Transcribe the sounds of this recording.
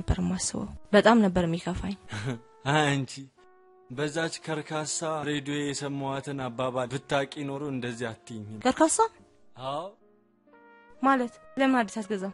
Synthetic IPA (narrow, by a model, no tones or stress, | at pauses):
əbːə̰ɾɨmːasɨβə̰wbət̪ʼamnəbːəɾɨmːjikʰəfaɲː | aɨnt͡ʃʰi | bəzːat͡ʃːkʰəɾkʰasːaɾed̪oejɛsəmːəwat̪ʰɨnabːaβabɨt̪ːakʼino̞ɾoɨnd̪əzːihat̪ːiɲːkʰəɾkʰasːa | aw | malət̪ləmɨnad̪ːisat̪ɡəza